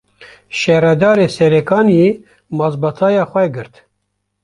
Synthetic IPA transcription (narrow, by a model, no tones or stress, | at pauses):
ʃɛɾɛd̪ɑːɾeːsɛɾɛkɑːnje | mɑzbɑt̪ʰɑːjɑːxʷɛɡɨɾt̪